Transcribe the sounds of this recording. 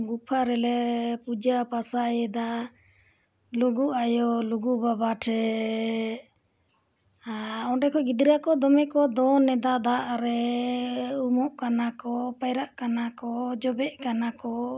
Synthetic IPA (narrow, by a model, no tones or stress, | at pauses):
ɡupʰaɾɛlɛpud͡ʒapasajɛd̪a | luɡuʔajɔluɡubabaʈʰɛ | ɔɖɛkɔɡid̪ɾijakɔd̪ɔmɛkɔd̪ɔnɛd̪ad̪aʔaɾɛ | umɔʔkanakɔpajɾaʔkanakɔd͡ʒɔbɛʔkanakɔ